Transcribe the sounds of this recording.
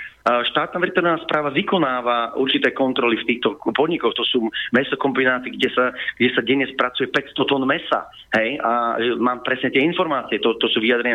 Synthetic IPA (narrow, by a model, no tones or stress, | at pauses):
ʃt̪aːt̪̚naːʋɛɾt̪ɔɾnaːspɾʔaːʋaʋikɔnaːʋauɾt͡ʃit̪ɛːkɔnt̪ɾɔlift̪iːxt̪ɔpɔd̪ɲikɔxt̪ɔsuːmɛsɔkɔmbinaːt͡siːɡɟɛsaɡ̥ɟɛsaɟɛɲɛspɾat͡sujɛpɛcst̪ɔt̪ɔnmɛsa̰ | ɦɛja̰maːmpɾɛsɲɛt̪ɪɛinfɔɾmaːt͡siɛt̪ɔt̪ɔsuːʋiad̪ɾɛɲɪa